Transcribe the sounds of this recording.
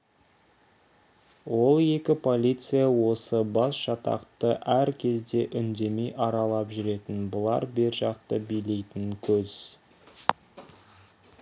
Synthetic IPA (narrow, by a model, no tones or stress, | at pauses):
wo̞lˠe̞kʲɪpʰo̞lʲijt̪sɨjawo̞səbɑsʒ̥ɑt̪ɑ̰qt̪əʔæɾkʲʰe̞zd̪e̞ʔʏnd̪e̞me̞jʔɑɾɑlˠɑpʒʏɾe̞t̪ɪnbʊlˠɑ̰ɾbe̞ɾʒɑqt̪əbijle̞jt̪ɪŋkʲʰɵz̥